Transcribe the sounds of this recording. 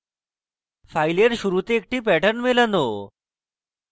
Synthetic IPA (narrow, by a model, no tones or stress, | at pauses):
fajleɾɕuɾut̪eːk̚ʈiːpɛʈəɾnmeləno